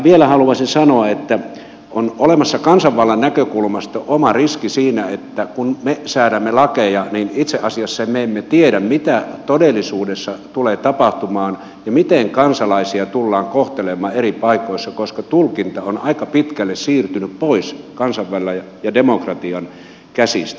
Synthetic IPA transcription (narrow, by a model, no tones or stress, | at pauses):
ʋielæhɑluɑsinsɑnoɑet̪ːæ | onolemɑsːɑkɑnsɑʋʋɑlːɑnnækøkulmɑst̪oʔomɑriskisiːnæet̪ːækunmesæːɾæmːelɑkejɑninit̪seʔɑsiɑsːɑemmeemːet̪ieɾæmmit̪æt̪odelːˑisuːdesːɑt̪uleːt̪ɑpɑht̪umɑːn | jɑmit̪eŋkɑnsɑlɑisiɑt̪ulːɑːŋkoht̪elemˑɑːeripɑikoisːɑkoskɑt̪ulkint̪ɑonɑikɑpit̪kælːessiːrt̪ynyppoiskɑnsɑʋʋɑlːɑj | jɑdemokrɑt̪iɑn | kæsḭst̪æ̥